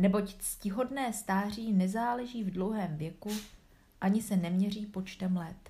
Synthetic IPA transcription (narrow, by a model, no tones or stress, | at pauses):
nɛbo̞cscɪɦo̞dnɛːst̪aːr̝iːnɛzaːlɛʒiːvdlo̞wɦɛːmvjɛku | ʔaɲɪsɛnɛmɲɛr̝iːpo̞t͡ʃt̪ɛmlɛt̪